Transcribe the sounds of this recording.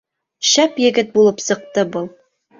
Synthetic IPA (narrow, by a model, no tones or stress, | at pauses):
ʃæpjɘ̆ɡɘt̪̚bulˠɤpsɤ̆q̚t̪ɤbɤlˠ